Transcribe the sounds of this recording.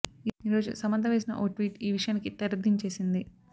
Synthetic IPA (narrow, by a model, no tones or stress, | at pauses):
iːɾo̞ːd͡ʒṵsɐmɐnt̪ʰɐʋeːs̬inɐ̰ʔoːʈʋiːʈiːʋiʂɐjaːnikit̪ɐɾɐd̪iɲt͡ʃe̞ːsind̪i